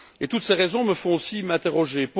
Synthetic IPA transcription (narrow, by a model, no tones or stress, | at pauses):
et̪ut̪seʁɛzɔ̃məfɔ̃osimɛ̃t̪eʁɔʒep